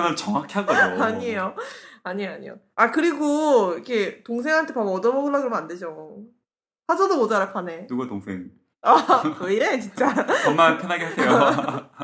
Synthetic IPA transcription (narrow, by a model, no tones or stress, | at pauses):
nɯt͡ɕʌŋakʰi̥ɦaɡoaɲiejoaɲieaɲḭjo̰ | akɯɾiɡoikʰe̞toŋs̬ʰe̞ŋɦantʰe̞pamʌdʌmokʰɯɭːaɡɯɾoanded͡ʑo | sʰasʰʌdomod͡ʑaɾaɭpʰane̞nuɡatoŋsʰeŋ | akɯiɾet͡ɕint͡ɕ͈aʌmmapʰjʌnɦaɡehasʰejo